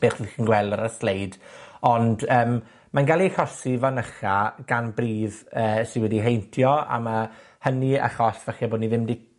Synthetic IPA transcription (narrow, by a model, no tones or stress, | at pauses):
b̥eːχixinɡwɛlˠdaɾəslejdɔndəːm | manɡalˠiɬɔsivanəχaɡ̥anbriːðəːsɪwɛdiɦejntʰjɔa̰ma | hənia̰χɔɬvɛχɛboːdniðɪmdi